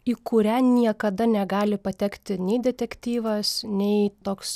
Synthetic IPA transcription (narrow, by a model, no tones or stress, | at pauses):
iːkʊɾʲæːnʲiɛkɐd̪ɐnʲɛɡɑːlʲɪpɐt̪ʲɛkt̪ʲɪnʲɛɪd̪ʲɛt̪ʲɛkt̪ʲiːʋɐsnʲɛɪt̪oːks